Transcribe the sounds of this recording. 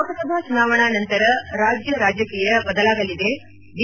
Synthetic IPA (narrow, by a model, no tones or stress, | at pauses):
kɐsɐbʱaːsunaːʋɐɳaːnɐnt̪ɐɾɐɾaːd͡ʒjɐɾaːd͡ʒjɐkiːjɐbɐd̪ɐlaːɡɐlid̪e̞ | d̪